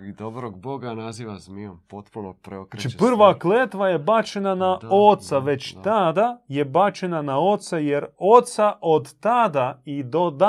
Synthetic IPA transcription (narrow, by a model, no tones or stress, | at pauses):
id̪obɾoɡboɡanaziːʋazmiompot̪punopɾeokɾeipr̩ʋakleːt̪ʋaje̞bat͡ʃenanaot̪saʋe̞t͡ɕt̪ad̪ajebat͡ʃenanao̞t̪sajeɾot̪saʔod̪t̪ad̪aid̪o̞d̪a